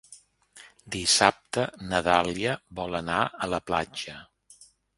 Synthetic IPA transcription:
d̪isap̚t̪ənəðaliəβɔlənaələpla̰d͡ʒə

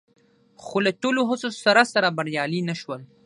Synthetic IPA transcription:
xolaʈoloɦəsosaɾasaɾabaɾjɑlinaʃwəl

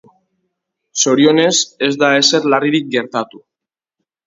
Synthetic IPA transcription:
so̞ɾio̞ne̞se̞zd̪ae̞se̞ɾlariɾik̚ɡe̞ɾt̪at̪u

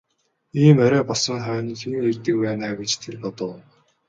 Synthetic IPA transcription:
iːmœɾœːpɔɮsɞ̆ŋχœːnixiɘ̆ŋert̪ɘ̆k̚pæːnaːɡet͡ɕt̪ʰerpɔt̪ə̆w

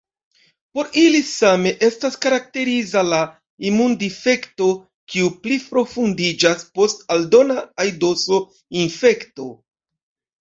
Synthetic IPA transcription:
po̞ɾilisame̞ʔe̞staskaɾak̚te̞ɾizala | imundife̞kto̞ | kiuplipɾo̞fundid͡ʒaspo̞staldo̞naːjdo̞so̞ | infe̞kto̞

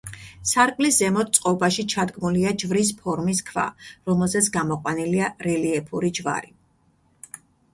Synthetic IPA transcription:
saɾkʼliszɛmɔt̪̚t̪sʼqʼɔbaʃit͡ʃʰad̪ɡmuliad͡ʒvɾis̬pʰɔɾmiskʰva̰ɾɔmɛlˠzɛt̪sʰɡamɔqʼwaniliaɾɛliɛpʰuɾid͡ʒva̰ɾi

